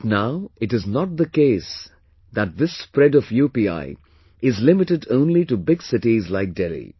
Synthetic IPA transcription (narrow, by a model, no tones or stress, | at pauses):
naʊɪʈɨznɔʈ̚d̪əkeːs | ðæt̚ðɪsːpɾɛɖɔfjuːpia̰ɪ | ɪzlɪmɪʈɨɖõʊ̃nliʈubɪɡsɪʈizlaɪk̚dɛlḭ